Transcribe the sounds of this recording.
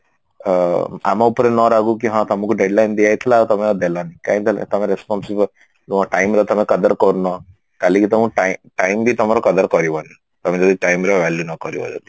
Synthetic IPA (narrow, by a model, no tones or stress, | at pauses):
a̰maupɾenɔɾaɡukiɦãt̪ɐmukuɖeɖlajnd̪iajt̪ʰlat̪ɔmeɔd̪elanikaĩt̪ʰl̰t̪ɐmeɾespɔnsib | ʈajmɾɔt̪ɐmẽkɐd̪ɐɾkɔɾunɔ | kalĩkit̪ɔmũʈaʈajmbʱit̪ɔmaɾɔkɐd̪ɐɾkɔɾiʋani | t̪ɔmẽd͡ʒɔd̪iʈajmɾɔʋaljunɔkɔɾiʋɔ̰d͡ʒɔ̰t̪i̥